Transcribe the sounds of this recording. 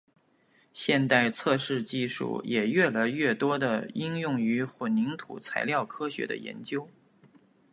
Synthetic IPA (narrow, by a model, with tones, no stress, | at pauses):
ɕjɛ˥˧nt̪a˥˧ɪt͡sʰɤ˥˧ʂɻ̩˥˧t͡ɕi˥˧ʂṵ˥˩jɛ˨˩ɥɛ˥˩la˧˥ɪɥɛ˥˩t̪wɔ˥d̪ə˨i˥ŋjʊ˥˩ŋy˧˥xwə˨˩nni˧˥ŋt̪ʰu˨˩t͡sʰa˧˥ɪljɑ˥˩ʊkʰɤ˥ɕɥɛ̰˧˥d̪ə̰˧jɛ̰˧˥nt͡ɕjo˥ʊ